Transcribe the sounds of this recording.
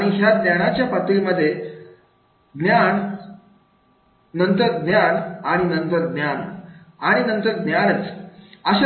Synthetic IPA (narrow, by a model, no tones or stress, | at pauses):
aɽ̃iɦjaɡnjaɽat͡ɕjapət̪ɾiməd̪ʱːje | ɡnjaɳ | nənt̪əɾɡnjaɳaɽ̃inənt̪əɾɡnjanaɽ̃inənt̪əɾɡnjañət͡səɕ